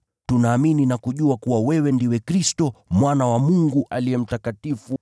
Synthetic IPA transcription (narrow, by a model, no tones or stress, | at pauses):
tunaːmininakuʄuakuwawɛwɛndiwɛkɾistɔmwanawamuŋɡuʔaliɛm̩takatifu